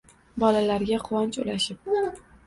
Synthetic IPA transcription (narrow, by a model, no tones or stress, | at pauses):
bɒlalaɾɡʲaqʰʊwɒnt͡ʃʊ̰laʃɪp̚